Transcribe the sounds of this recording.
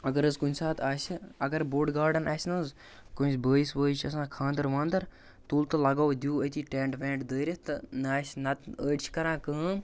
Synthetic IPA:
ɐɡɐɾəzkunʲsaːt̪aːsʲiɐɡɐɾboːʈɡaːɾɖɐnaːsʲnɐz | kunsʲbəːjisʋəːjt͡ʃʰɐsãːkʰãːnd̪ɐɾʋãːnd̪ɐɾ | t̪uːlt̪ɨlɐɡaːwd̪ʲjuːət̪ʰiːʈẽːɳʈʋẽːɳʈd̪əːɾʲɐt̪ɨnaːsʲnɐt̪əːʈt͡ʃʰkɐɾãːkəːm

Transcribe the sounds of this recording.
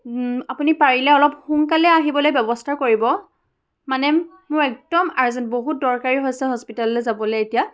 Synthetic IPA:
apunipaɹilɛɔlɔp̚xuŋkalɛaɦibɔlojbjɔbɔstʰaɹkoɹibɔ | manɛ | mʊɹɛk̚d̥ɔmaɹzɛntboɦut̚dɔɹkaɹiɦojsɛɦɔspitalɔlɛzabɔlɛetija

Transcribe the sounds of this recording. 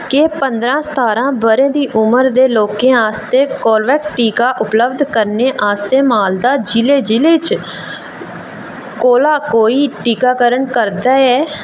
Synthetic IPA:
keːpənd̪ɾãːsə̥t̪ʰaːɾãːbəɾẽːd̪iːʔʊməɾd̪eːloːkẽːaːst̪eːkoːɾʋɛːksʈiːkaːʔʊpləbd̪kəɾneːʔaːst̪eːmaːld̪aːd͡ʒɪleːd͡ʒɪleːt͡ʃ | koːlaːkoːiːʈiːkaːkəɾəɳkəɾd̪aːɛː

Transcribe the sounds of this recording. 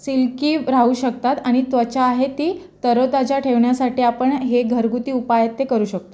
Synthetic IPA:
silkiːɾauːɕək̚t̪at̪aɽ̃it̪ʋət͡ɕaːɦet̪iː | t̪əɾot̪at͡ɕjaʈʰeʋɳjasaʈiːapəɳɦeɡʱəɾɡut̪iːupajət̪ːekəɾuːɕək̚t̪o

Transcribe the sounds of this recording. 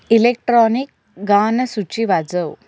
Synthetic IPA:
ilek̚ʈɾɔnik̚ | ɡanəsut͡ɕiʋad͡zəw

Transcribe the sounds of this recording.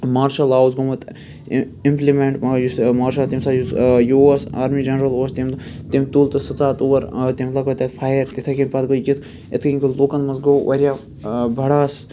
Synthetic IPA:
maːɾʃɐlaːwzɡomɐt̪ | implimeɳʈjusmaːɾʃɐlt̪imsaːjusjuɐsa̰ːɾmiːd͡ʒɐnɾɐloːst̪imt̪imt̪uːlt̪ɨsɨt͡saːt̪oːʋɐɾt̪imlakot̪ɐt̪fʰaːjɐɾt̪it̪ʰɐkinpat̪ɡoikʲit̪ʰ | et̪ʰkɐŋʲkolokɐnmɐzɡoːʋʔɐɾʲja | bɐɽaːs

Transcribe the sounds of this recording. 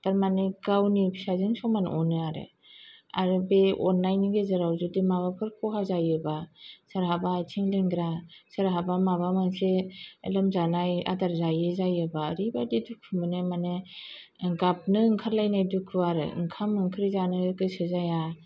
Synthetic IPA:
taɾmaneɡawnibʰisazɯŋsɔmanɔnɯaɾɯ̰ | a̰ɾɯbeɔ̰nːajniɡezaɾawzɯdimaβapʰɯɾkʰɔɦazajɯbasaɾɦabatʰiŋleŋɡɾasaɾɦabamaβamanselɯmzanaja̰daɾzajɯzajɯbaɾibadidukʰːɯmɯnemane | ɡap̚nɯŋkʰaɾlajnajdukʰɯaɾɯ̰ŋkʰamɯŋkʰɯɾizanɯɡɯsɯzaja

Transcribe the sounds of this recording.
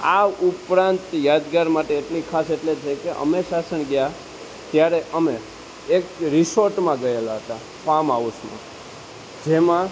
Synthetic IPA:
aupɾãnt̪jad̪ɡaɾmaʈeːʈlikʰaseʈlet͡ʃʰekeʔə̰meʃasənɡəja | t̪jaɾeʔəme | ekɾɪsoɾʈmãɡəelaɦət̪a | pamaʋusmã̰ | d͡ʒemã

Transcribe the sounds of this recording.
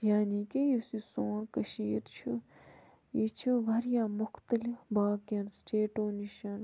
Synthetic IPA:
jaːniːkijisisoːnkɐʃiːɾt͡ʃʰu | it͡ʃʰuʋɐɾjãːmʊxt̪əlɪfbaːkjɐnsʈeːʈoːniʃɐn

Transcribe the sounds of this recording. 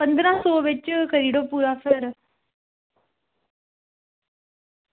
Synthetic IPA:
pə̃nd̪ɾãːsɔːʋɪt͡ʃkəɾiːɖoːpuːɾaːpʰɪɾ

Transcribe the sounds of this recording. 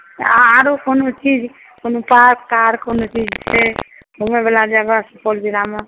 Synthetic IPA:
aaɾokonot͡ʃid͡ʒ | konopakkaɾkonot͡ʃid͡ʒt͡ʃʰɛ | ɦomebelad͡ʒaɡasəpoldiɾame

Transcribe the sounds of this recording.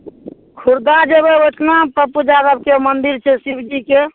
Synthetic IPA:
kʰuɾd̪ad͡ʒebeoʈʰnapəpud͡ʒad̪əb̚keomənd̪iɾt͡ʃʰɛsibd͡ʒike

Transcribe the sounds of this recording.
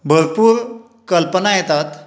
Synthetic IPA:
bʱəɾpuːɾ | kəlpənajet̪at̪

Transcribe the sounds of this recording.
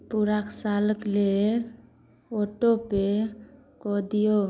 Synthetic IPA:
puɾaksaləkle | oʈope | kɔd̪ijo

